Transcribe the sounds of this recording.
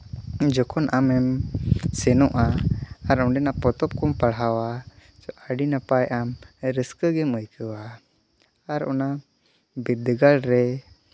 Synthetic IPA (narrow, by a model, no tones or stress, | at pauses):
d͡ʒɔkɔnʔamɛmsɛnɔʔaːɾɔɳɖɛnapɔt̪ɔp̚kɔmpaɽɦawat͡ʃɔʔaɖinapajʔamɾəskəɡɛməjkʰəwaː | ɾɔ̰na | bid̪ɡalɾɛ